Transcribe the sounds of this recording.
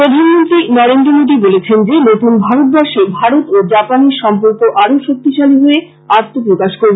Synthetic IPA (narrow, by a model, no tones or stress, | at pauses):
ɾod̪ʱanmont̪ɾinɔɾend̪ɾomod̪ibolet͡ɕʰend͡ʑenot̪unbʱaɾot̪̚baʃebʱaɾot̪od͡ʑapaneɾʃɔmpoɾkoʔaɾoʃok̚t̪iʃaliɦoe | at̪ːopɾokaʃkoɾ